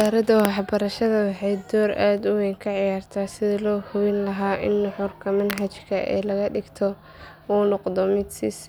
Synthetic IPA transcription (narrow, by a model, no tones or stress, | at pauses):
saːɾɐd̪ɐwɑħbɐɾɐʃɐðɐwɑħɑjd̪ɔːɾʔaːd̪ʊwɛːŋkʰɐʕɪjaːrt̪ʰaːsɪðɪlɔːhʊwɪnlɐɦaːʔɪ̰nːʊħʊrkʰɐmɐnɦɐt͡ʃkʰɐʔɛ̰ːlɐɣɐɖɪɡt̪ʰɔ | uːnʊqd̪ɔmɪd̪sɪ̰s